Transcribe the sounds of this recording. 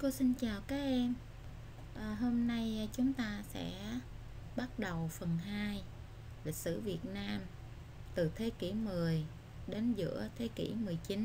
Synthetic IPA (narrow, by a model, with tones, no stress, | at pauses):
ko˧wsi˧nt͡ɕaː˨˩wkaː˨˦k̚ʔɛ˧m | ʔəː˨˩ɦo˧mna˧jt͡ɕʊ˨˦ŋ͡mt̪aː˧sɛ̰˧˥ | ɓa˦˥t̚ɗə˨˩wfə˨˩nɦaː˧j | li˨˩k̚sɨ̰˧˥vi˨˩ət̚naː˧m | t̪ɨ˨˩t̪ʰe˨˦kḭ˧˩mɨ˨˩əj | ɗe˨˦nzɨ̰˧˥ət̪ʰe˨˦kḭ˧˩mɨ˨˩əjt͡ɕi˨˦n